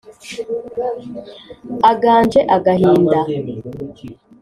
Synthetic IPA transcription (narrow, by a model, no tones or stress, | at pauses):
aɡaːnd͡ʒeʔaɡahiːnda